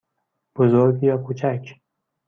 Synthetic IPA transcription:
b̥ʊzoɾɡjɒːkʰut͡ʃʰak

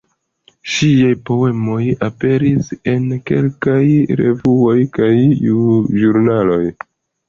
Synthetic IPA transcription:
ʃiajpo̞we̞mo̞jape̞ɾise̞nke̞̰lkajɾe̞̰vuo̞jkajuʒuɾnalo̞j

